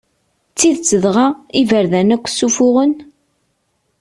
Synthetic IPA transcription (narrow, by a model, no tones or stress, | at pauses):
t͡sːiðt͡sːəðʁaivəɾðænækʷːsufʊʁən